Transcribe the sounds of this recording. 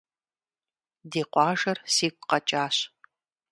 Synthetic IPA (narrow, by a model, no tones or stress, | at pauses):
diːqʷɑːʒɐrsiːkʷʼqɐt͡ʃʼaːɕ